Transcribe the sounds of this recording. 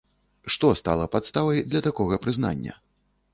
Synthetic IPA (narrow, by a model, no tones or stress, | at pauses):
ʂt̪ɔst̪a̰lˠɐpat̪st̪avɐjd̪lʲɐt̪akɔɣɐpɾɨzna̰nʲːɐ̰